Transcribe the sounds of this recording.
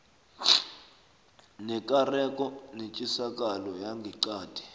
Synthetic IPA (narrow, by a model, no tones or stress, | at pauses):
nɛkʼarɛkʼɔnit͡ʃʼisakʼalɔjaŋɡʱiǀaːd̥ʱi̥